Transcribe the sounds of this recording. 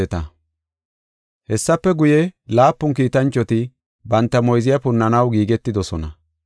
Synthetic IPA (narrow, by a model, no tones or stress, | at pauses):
ɛt̪ɐ | hɛsːɐpːɛɡʊjɛlaːpːʊŋk̬iːt̪ɐnt͡ʃʼːɔt̪ɪ | bɐnt̪ːɐmɔjzɪjɐpʊnːɐnɐwɡiːɡɛt̪ːɪd̪ɔsɔnɐ